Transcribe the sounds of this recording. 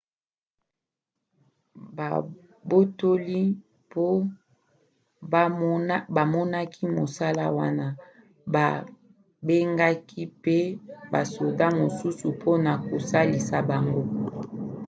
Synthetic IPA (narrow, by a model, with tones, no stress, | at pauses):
bo˦to˦li˦ | po˦ | ba˨mɔ˦na˦kʰi˦mo˨sa˦la˦wa˦na˦ | ba˨ | be˦ŋɡa˦ki˦pe˦ba̰˨so˨da˦mo˨su˦su˨pʰo˦na˨ko˨sa˦li˨sa˨ba˨ŋɡo˦